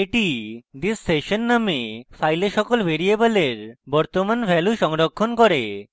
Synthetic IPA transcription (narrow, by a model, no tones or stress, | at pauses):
eʈid̪isːeʃonːamefʰajleʃɔkolbʱeɾiebəleɾbɔɾt̪omanbʱɛluʃɔŋɾokʰːonkɔɾe